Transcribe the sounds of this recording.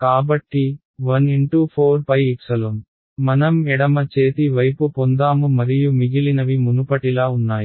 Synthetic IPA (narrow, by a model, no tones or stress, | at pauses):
kaːbɐʈːi | ʋɐniɳʈuːpʰoːɾpɐjiksɐlom | mɐnɐmɛɽɐmɐt͡ʃeːt̪iʋɐjpupond̪aːmumɐɾijumiɡilinɐʋimunupɐʈilaːunːaːji